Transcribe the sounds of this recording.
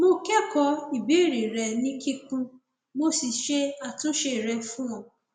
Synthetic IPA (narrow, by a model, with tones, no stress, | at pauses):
mo˦ke˦kɔ˦i˨be˦ɾi˨ɾɛ˨nĩ˦ki˦kũ˦ | mo˦si˨ʃe˦a˨tʊ˦ʃe˨ɾɛ˨fũ˦a˨